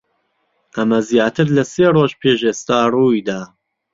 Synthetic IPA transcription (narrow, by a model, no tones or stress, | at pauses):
ʔɐmɐzjaːt̪ʰɨɾlɐseːroːʒpʰeːʒeːst̪aːruːjd̪a